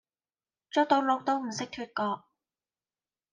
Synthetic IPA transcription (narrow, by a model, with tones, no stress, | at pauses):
t͡ʃʊː˥k̚t̪o˨˧wlo˨˧k̚t̪o˥wm̩˨˩sɪ˥k̚t̪ʰyː˧t̚kɔː˧k̚